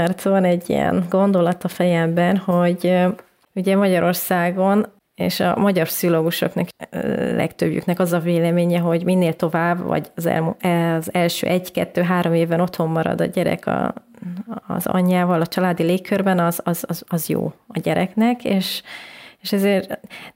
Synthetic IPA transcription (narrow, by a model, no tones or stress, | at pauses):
ɛrt̪oɒnɛɟːḭjɛ̰nɡo̞nd̪o̞lɒt̪ɒfɛjɛmbɛnho̞ɟ | uɟɛmɒɟɒɾo̞rsaːɡo̞n | ḛːʃɒ̰mɒɟɒrpsioloːɡuʃo̞̰knɒklɛ̰kt̪øbjy̰knɛkɒzɒveːlɛmeːɲɛɦo̞ɟminːeːlt̪o̞vaːbvɒ̰ɟɒzɛ̰lzɛlʃø̰ːʔɛɟkɛt̪ːøːɦaːɾo̞meːvbɛno̞t̪ho̞mːɒɾɒ̰d̪ɒ̰ɟɛɾɛ̰kʰɒ̰ | zɒ̰ɲːaːvɒlɒt͡ʃɒlaːd̪ileːkʰːørbɛnɒzɒzɒzɒzjo̰ːɒɟɛɾɛknɛkeːʃeʃɛzeːr